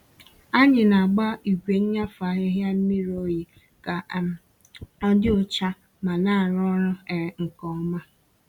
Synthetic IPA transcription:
a˦ɲɪ˨na˨ɡ͡ba˦i˨ɡʷe˨ɲ̩˦ɲa˦fa˨ɦɪ˦ɦja˦n̩˦mi˦ɾo˦je˦ | ka˨ | ɔ˦dɪ˦ʊ˨t͡ʃa˦ | ma˨na˦˨a˨ɾɔ˦ɾʊ˦ɛ˨ŋ̩˨kɔ˨˦ma˦

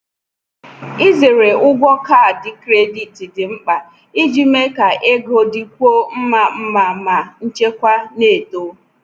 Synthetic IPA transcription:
i˦ze˨ɾe˨ʊ˦ɡʷɔ˦kaː˦˨dɪ˨kɾe˦di˨ti˨dɪ˨ŋ͡m̩˦k͡pa˨ | i˦d͡ʒi˦me˦ka˨ʔe˦ɡo˦dɪ˦kʷo˦m̩˦ma˨m̩˦ma˨ma˨n̩˦t͡ʃe˦kʷa˦ne˦˨to˦

